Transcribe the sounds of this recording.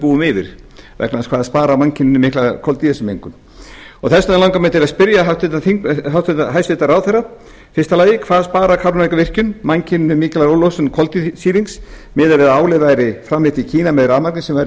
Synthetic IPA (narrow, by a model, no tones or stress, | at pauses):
puːʏmɪvɪ̰ɾ̥vɛ̰knaðskʰvaːðaðspaːɾamancʰɪnʏnʏmɪklakʰɔlt̪iɛsʏmeŋkʏm | ɔɣθɛsːaðɛlawŋkamɛːt̪ɪɾaspɪɾjaɦawt̪ɪt̪aθiŋɦawt̪ʰʏt̪aɦajsvɪt̪aɾawθɛra | fɪst̪alaːjɪkʰvaːðaspaːɾakʰawɾʏnvajkavɪr̥cʏnmancʰɪnnʏmiːklaɾowlowsʏnkʰɔlt̪isiːɾiŋks | mɪːðavɛðaaːwlɪvajɾɪfɾamlɪht̪icʰiːnamɛðʏɾaːðmaɾknɪsɛmvaɾ